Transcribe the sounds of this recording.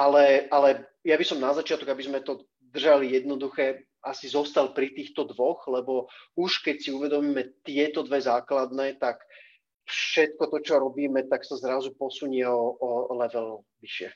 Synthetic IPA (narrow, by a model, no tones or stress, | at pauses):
ʔalɛalɛ | jabisɔmnazat͡ʃɪat̪ɔkɡabizmɛt̪ɔ | d̪r̩ʒalijɛd̪̚nɔd̪uxɛ | asizɔst̪alpɾit̪iːxt̪ɔd̪ʋɔxlɛbɔuʃkɛcsiuʋɛd̪ɔmiːmɛt̪ɪɛt̪ɔd̪ʋɛzaːklad̪nɛːt̪ak | fʃɛt̪̚kɔt̪ɔt͡ʃɔɾɔbiːmɛt̪aksazɾazupɔsuɲɪɛɔɔlɛʋɛl | ʋiʃɪɛ̰